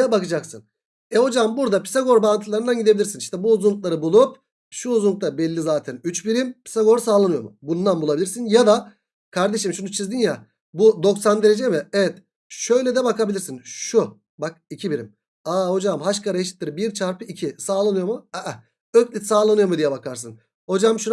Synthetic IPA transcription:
ɛbakɯd͡ʒaksɯn | ɛho̞d͡ʒambuɾd̪apʰi̥saɡo̞ɾbant̪ʰɯlˠaɾɯnd̪anɟid̪ebilʲiɾsiniʃt̪ʰɛbuːzunlˠuklˠaɾɯbulˠup̚ | ʃuːzunuk̚t̪abɛlʲːizaːt̪ʰɛnyt͡ʃbiɾimpʰi̥saɡo̞ɾsaːlˠanɯjo̞mṵbund̪anbulˠabilʲiɾsinjad̪a | kʰaɾd̪e̞ʃimʃunut͡ʃʰizd̪inja | bud̪o̞ksand̪e̞ɾed͡ʒɛmɪɛvɛt̪ | ʃø̞jlʲɛd̪ɛbakabilʲiɾsinʃu | bak̚icʰibiɾim | aːho̞d͡ʒamɦaʃkʰaɾajeʃi̥t̪ːɯɾbiɾt͡ʃʰaɾpʰɯicʰisaːlˠanɯjo̞muɛʔ | øcʲlʲit̪saːlˠanɯjo̞mud̪ijɛbakaɾs̬ɯn | ho̞d͡ʒamʃu

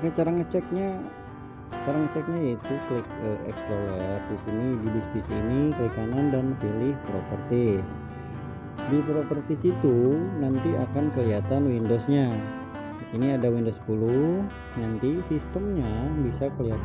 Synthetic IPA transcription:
kat͡ʃaɾaŋət͡ʃɛk̚ɲa | t͡ʃaɾaŋət͡ʃɛk̚ɲait̪uflɪkəɛ̰kspolɛt̪̚disinididispisḭnikəlikanandanpilɪhpɾopərt̪ɪs | dipɾopərt̪ɪsit̪unant̪iakankəliat̪anwindosɲa | disiniadawindospulu | nant̪isist̪əmɲabisakəliɦat̪

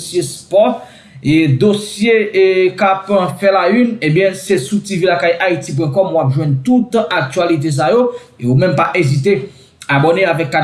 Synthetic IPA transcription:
sjespɔ | ed̪osjekapfɛlaynebjɛ̃sesutivylakajʔait̪ip̬wɛ̃kɔmwapʒwɛ̃nt̪ut̪ak̚t̪ɥalit̪̬es̬ajo | eomɛ̃mpaʔezit̪̬e | abɔneavɛkːan

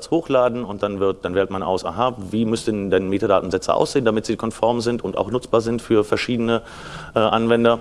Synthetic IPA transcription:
t͡shoːxlaːdn̩ʊnt̚d̥anvɪɐt̚d̥anvɛːɐtmanʔa̰ʊsʔa̰ːɦaviːmʏstəndɛnmeːtadaːtn̩zɛt͡sə̰ʔa̰ʊsz̥eːndamɪtz̥iːkʰɔnfɔɐmzɪntʊnta̰ʊxnʊt͡sb̥aːɐzɪntfyːɐfɛɐʃiːdənə | ʔɛːʔa̰nvɛndɐ

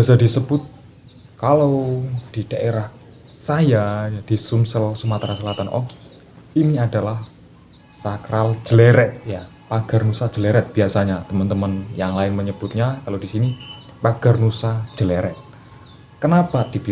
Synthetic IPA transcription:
biasadisəb̥ʊt̪̚ | kalawd̥id̥aʔeɾah | sajajad̥isumsəlsumat̪ɾasəlat̪anʔo̰ɡi̥ | iniadalah | sakɾald͡ʒ̥əleɾɛt̪̚ja | paɡ̥a̤rnusḁd͡ʒ̥əleɾɛt̪̚b̥iasaɲat̪əmənt̪əmənjaŋlaɪnməɲəb̥ʊt̪̚ɲakalodisini | paɡ̥arnusḁd͡ʒ̥əleɾɛt̪̚ | kənapad̥ib

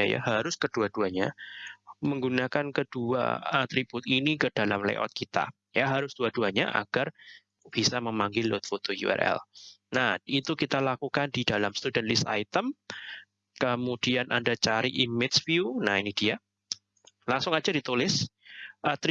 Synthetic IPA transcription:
aja̰ɦaɾʊskəd̥uad̥uaɲa | məŋɡunakankəd̥ua̰a̰t̪ɾib̥ʊt̪inikəd̥alamlḛʔɔ̰t̪̚kit̪a̰ | jaɦaɾʊsd̥uaduaɲa̰ʔa̰ɡ̥ar | b̥isaməmaŋɡɪlːʊt̪̚fot̪ojṵɛ̰rʔɛ̰lnahit̪ukit̪alakukandidalamst̪udɛnlɪsa̰it̪əm | kəmudianʔa̰ndat͡ʃaɾiʔimɪdsfiunainid̥ia | laŋsʊŋad͡ʒadit̪ulɪsʔat̪ɾ

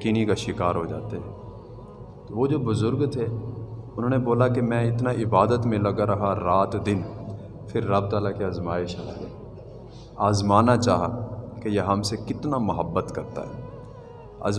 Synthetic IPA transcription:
ɐkiːnikaʃɪkaːɾɦod͡ʒa̰ːt̪eɦɛ̃ː | t̪oʋod͡ʒoːbʊzʊɾɡt̪ʰeʊn̤ɦõːneboːlakemɛ̃ɪt̪naʔɪbaːd̪ət̪mẽlɐɡaɾɐɦaɾaːt̪d̪ɪn | pʰɪɾːɐb̚t̪aːlakeɐzmaːɪʃala̰ɡɐ | aːzmaːnat͡ʃa̰ːɦa̰kejeɦɐmsekɪt̪namɐɦəbːət̪kɐɾt̪a̰ɦɛː | ɐ̰ːz

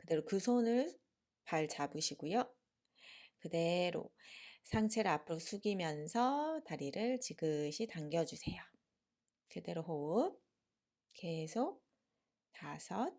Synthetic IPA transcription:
kɯde̞ɾokɯsʰonɯɭ | paɭt͡ɕabɯɕʰiɡojo | kɯde̞ɾo̰sʰaŋt͡ɕʰeɾɯapʰɯɾosʰuɡimjʌnsʰʌtaɾiɾɯɭt͡ɕiɡɯɕʰitaŋɡjʌd͡ʑusʰe̞jo | kɯde̞ɾoɦo | ke̞sʰok̚ | tasʰʌ

